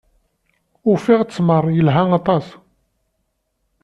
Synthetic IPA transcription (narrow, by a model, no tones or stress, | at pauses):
ʊfiʁt͡sːməɾˤjəlɦaŋɑt̪ˤɑs